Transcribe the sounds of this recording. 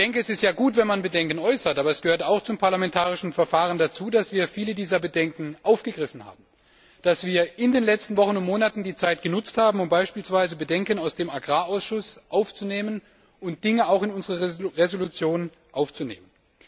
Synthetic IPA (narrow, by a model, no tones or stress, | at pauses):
d̥ɛŋkəɛsɪstjaːɡuːtv̥ɛnmanbədɛŋkən̩ʔɔʏsɐtʔaːbɐɛsɡ̥əhøːɐtaʊxt͡sʊmpʰaɐlamɛntʰaːʁ̞ɪʃn̩fɛɐfaːʁəndat͡suːdasv̥iːɐfiːlədiːzɐbədɛŋkŋ̩ʔaʊfɡ̥əɡʁɪfn̩ha̰ːb̚m̩ | d̥asv̥iːɐʔɪndeːnlɛt͡stn̩vɔχən̩ʊntmoːnatn̩diːt͡saɪt̚ɡ̥ənʊt͡sthaːbm̩ʊmbaɪʃpiːlsv̥aɪzəbədɛŋkənaʊsd̥eːmaɡʁaːaʊsʃʊsʔaʊft͡suneːmən | ʔʊnt̚d̥ɪŋəaʊxɪnʊnzəʁəʁezolut͡sjoːn | ʔaʊft͡sunḛːmən